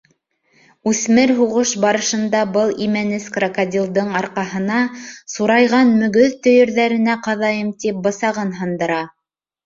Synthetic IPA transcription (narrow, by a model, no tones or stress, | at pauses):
ʉθmɘɾɦuʁɤʃbɑɾɤ̆ʃɤ̆nd̪ɑbɤlˠimænɘskrokɐd̪ʲilˠd̪ɤɴɑɾqɑɦɤ̆nɑsuɾɑjʁɑnmɵ̆ɡɵðt̪ɵ̆jɘ̆ɾðæɾɘ̆næqɑðɑjɤmt̪ip̚bɤ̆sɑʁɤnɦɑnd̪ɤ̆ɾɑ